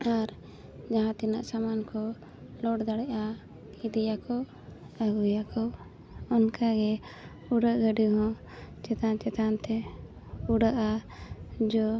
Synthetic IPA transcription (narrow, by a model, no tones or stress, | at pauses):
aɾ | d͡ʒaɦãt̪ina̰ʔsamankɔ | lɔɽd̪aɽɛʔa | id̪ɛjakɔ | aɡujakɔ | ɔnkaɡɛ | uɽaʔɡəɖiɦɔ̃ | t͡ʃɛt̪ant͡ʃɛt̪ant̪ɛ | uɽaʔa | d͡ʒɔ